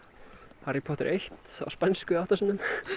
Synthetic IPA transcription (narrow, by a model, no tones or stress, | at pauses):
haɾipʰɔt̪ɪɾʔejht̪a̰wspɛnskʏawht̪asinːʏm